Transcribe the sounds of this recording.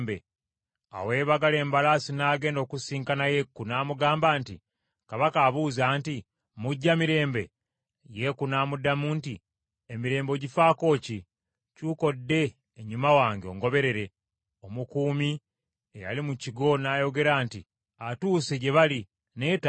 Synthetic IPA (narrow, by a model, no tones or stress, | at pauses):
be | a̰we̞ːβaɡaleːmbalasinaːɡe̞ːndo̞ːkusiːŋkanaje̞kːunaːmuɡaːmbaːntḭ | kaβakaːβuːzaːnti | muɟːamiɾe̞ːmbe̞̰ | je̞kunaːmudamuːnti | emiɾe̞ːmbo̞ɟifaːko̞ːci | cuko̞dːe̞ː | ɲumawaːŋɡeo̞̰ŋɡo̞βe̞ɾe̞ɾe̞ | o̞mukuːmi | eja̰limuciɡo̞naːjo̞ɡe̞ɾaːntḭ | atuːseɟe̞βali | neta